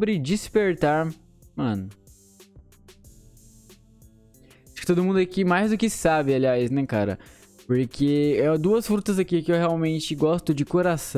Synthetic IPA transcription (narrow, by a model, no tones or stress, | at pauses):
bɾɪd͡ʒispeɾt̪aɾ | mɐ̃nʊ | aʃkɪ̥t̪od̪ʊmũnd̪ʊikɪmajzd̪ʊkɪsabɪaliajsnɛka̰ɾɐ̰ | poɾkʰeɛd̪uɐsfɾut̪ɐzakikɪewheawmẽnt͡ʃɪɡɔst̪ʊd͡ʒɪkoɾasɐ̃